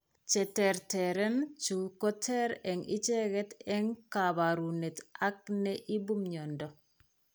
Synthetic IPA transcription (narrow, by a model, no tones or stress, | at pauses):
t͡ʃɛtɛɾtɛɾɛnt͡ʃukɔtʰɛɾɛŋit͡ʃɛɡɛtɛŋkaβaɾunetak̚nɛʔibumɲɔndɔ